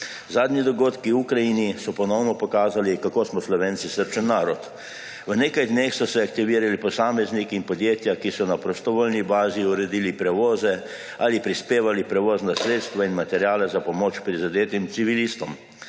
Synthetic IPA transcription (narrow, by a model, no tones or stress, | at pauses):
zaːd̪nʲid̪ɔɡoːt̪kiukɾajinisɔpɔnɔwnɔpɔkaːzalikakoːsmɔslɔʋeːnsisəɾt͡ʃənːaːɾɔt̪ | ʋwneːkajd̪neːxsɔsɛakt̪iʋiːɾalipɔsaːmɛznikiinpɔd̪jeːt̪jakisɔnapɾɔst̪ɔʋoːlnibaːziuɾɛd̪iːlipɾɛʋoːzɛ | alipɾispeːʋalipɾɛʋoːznasɾeːt̪st̪ʋainmat̪ɛɾjaːlɛzapɔmot͡ʃpɾizad̪eːt̪imt̪siʋilist̪ɔm